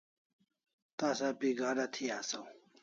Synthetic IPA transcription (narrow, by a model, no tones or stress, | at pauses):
t̪asapiɡaːnat̪ʰijaːsaw